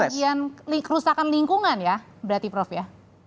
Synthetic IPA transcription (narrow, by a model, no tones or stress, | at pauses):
ad͡ʒianlikəɾusakanliŋkuŋanja | bəɾat̪ipɾɔfja